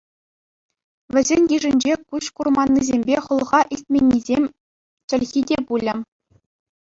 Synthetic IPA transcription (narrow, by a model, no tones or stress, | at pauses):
ʋʲɘ̆zʲenʲjiʐɘ̆nʲd͡ʑekuɕkurmɑnʲːizʲemʲbʲeχɤ̆lˠʁɑʔisʲt̪̚ʲmʲenʲːizʲemʲ | t͡ɕɘ̆lʲɣʲidʲepulʲɘ̆